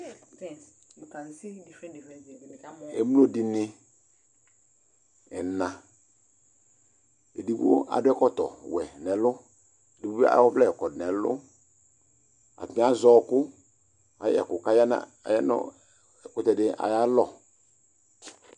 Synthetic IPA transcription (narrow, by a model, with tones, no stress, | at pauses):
ḛ˨m˦lo˦dɪ˨nɪ˦ | ɛ˨nã˨ | ḛ˨di˦bo̰˦a̰˨dʊ˦ɛ˦kɔ˦tɔ̰˨wɛ˨nɛ˨lʊ˦ | e˨di˨bu˦a̰˨˦ɔ˦blɛ˦˨ɛ˨kɔ˨dnɛ˨lʊ̰˦ | a̰˨tmĩ˦a˦zɔ˦˨kʊ˦ | a˨j̰ɛ̰˨kʊ˨ka˦ja˦na̰˦˨a̰˨ja˦nʊ̰˦˨ | kʊ˦tɛ˨dɪ˦ʔa̰˨ja˦lɔ˨